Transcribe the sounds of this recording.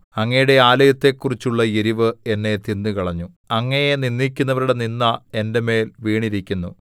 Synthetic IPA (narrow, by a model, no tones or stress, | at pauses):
ɐŋːɐjuɽe̞aːlɐjɐt̪ːe̞kːurit͡ɕːuɭːɐiɾiʋɨe̞nːe̞t̪ind̪ukɐɭɐɲːu | ɐŋːɐjeninːikʲːunːɐʋɐɾuɽe̞ninːɐe̞nde̞me̞ːlʋiːɳiɾikʲːunːu